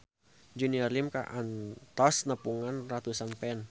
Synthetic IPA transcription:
d͡ʒuniarlimka̰ʔant̪ɔsnəpuŋanrat̪usanpɛn

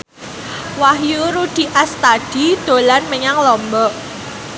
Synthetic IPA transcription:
wahjuɾud̪̥i̤ʔast̪ad̥id̪̥o̤lanməɲaŋlɔmbɔʔ

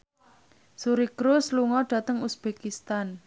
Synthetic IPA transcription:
suɾikɾʊsluŋɔɖ̥ä̤t̪əŋusb̥ekist̪an

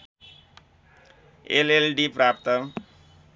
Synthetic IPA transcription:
ḛlelɖipɾapt̪ʌ

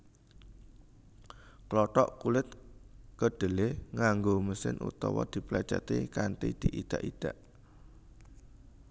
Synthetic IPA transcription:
klɔʈɔʔkulɪt̪̚kəɖ̪̥ə̤lehŋaŋɡoməsɪnṵt̪ɔ̰wɔ̰d̪̥i̤plɛ̥t͡ʃa̰t̪ikanʈ̪id̪̥iʔid̪̥aʔid̪̥a̤ʔ

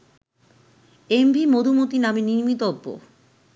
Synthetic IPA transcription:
embʱimod̪ʱumot̪inameniɾmit̪oobːo̰

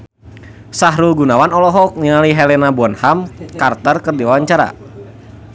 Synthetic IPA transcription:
saɦɾuɡunawanɔlɔɦɔk̚niŋaliɦɛlɛnabuɔnhamkart̪ərkɨrdiwawaɲt͡ʃaɾa̰

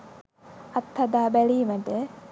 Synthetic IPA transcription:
ɐt̪ʰːɐd̪aːbæliːməɖ̪ə

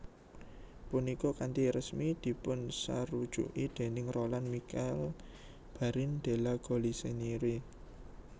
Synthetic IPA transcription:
punikɔkant̪iɾəsmid̪̥i̤pʊnsa̰ɾud̥ʒ̥ṵʔid̪̥e̤nɪŋrolanmikɛl | b̥a̤ɾɪnd̪̥e̤laɡ̥ɔ̤liseniɾi

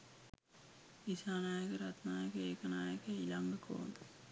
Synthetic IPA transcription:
isaːnaːjəkəɾɐt̪naːjəkeːknaːjəkeilɐŋɡko̰ːnd̪

